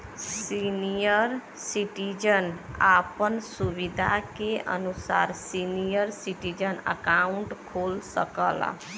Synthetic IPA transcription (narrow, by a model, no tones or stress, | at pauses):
sinijəɾ | siʈid͡ʒənapənsubid̪ʱakeʔə̰nusa̰ɾsinijəɾsiʈid͡ʒənə̰kauɳʈkʰolsə̰kə̰l̰